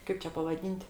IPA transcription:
ˈkɐɪp t͡ʃʲɛ pɐʋɐˈdʲiːnʲtʲ

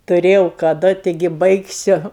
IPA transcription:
tʊˈrʲeːjɛʊ kɐˈdʊ ˈtʲɪɡʲɪ ˈbɐɪksʲʊ

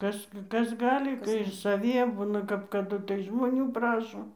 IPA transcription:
ˈkɐs ˈkɐs ˈɡɑːlʲɪ ɪr sɐˈʋʲiɛ ˈbʊnɐ kɐp kɐˈdʊ tɐɪ ʒmoːˈnʲuː ˈprɑːʃoː

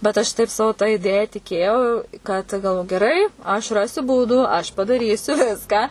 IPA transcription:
bʲɛt ɐʃ ˈtɐɪp ˈsɑːʋʊ tɐ ɪˈdʲeːjɛ tʲɪˈkʲeːjɛʊ ˈkɐt ɡɐlˠʋ ɡʲɛˈrɐɪ ɐʃ ˈrɑːsʲʊ ˈbuːduː ɐʃ pɐdɐˈrʲiːsʲʊ ˈʋʲɪskɑː

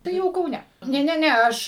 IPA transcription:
tɐɪ ˈjɛʊ kɐʊˈnʲɛ ˈnʲɛ ˈnʲɛ ˈnʲɛ ˈɐʃ

